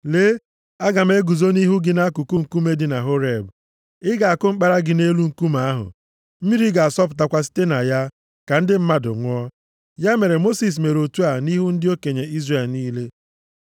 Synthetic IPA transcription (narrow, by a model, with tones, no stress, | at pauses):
le˨˦ | a˦ɡa˨m̩˦e˦ɡu˨zo˦ni˦ɦu˦ɡɪ˦na˦a˦kʊ˨ku˦ŋ̩˨ku˦me˦dɪ˨na˨ɦo˦ɾe˨b | ɪ˦ɡa˨a˨kʊ˦ŋ͡m̩˦k͡pa˦ɾa˦ɡɪ˨ne˦lu˦ŋ̩˨ku˦ma˨a˦ɦʊ̰˨ | m̩˦mi˦ɾi˦ɡa˨a˨sɔ˦p̬ʊ̥˨t̬a˦kʷa˦s̬i̥˦te˦na˨ja˦ | ka˨n̩˦dɪ˦m̩˦ma˦dʊ̰˨ŋʷʊ˦ɔ˦ | ja˦me˨ɾe˨mo˦si˨s̬me˨ɾo˨tu˦a˨ni˦ɦu˦n̩˦dɪ˦o˦ke˨ɲe˨i˦zre˨lniː˦le˦